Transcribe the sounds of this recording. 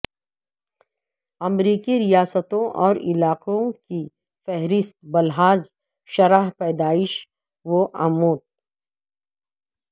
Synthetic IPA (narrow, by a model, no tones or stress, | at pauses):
ɐmɾiːkiɾijaːsət̪õʔɔːɾɪlaːqõki | fɛɦɾɪst̪̚bɐlɦaːz | ʃɐɾaɦpɛːd̪aːɪʃ | ʋoʔamoːt̪̚